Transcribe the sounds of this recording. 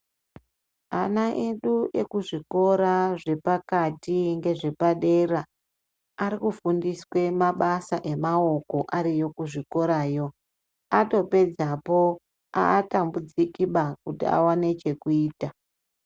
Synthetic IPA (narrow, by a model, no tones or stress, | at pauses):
a̰naʔe̞ɗuʔe̞̰kuʐiko̞ɾaʐe̞pakatiŋɡe̞ʐe̞paɗe̞ra | aɾikufundiswe̞maɓasaʔe̞mao̞ko̞ʔaɾijo̞kuʐiko̞ɾaːjo̞ | ato̞pe̞d͡zapo̞ | a̰ːtambud͡zikiɓakutia̰wane̞t͡ʃe̞kuiːta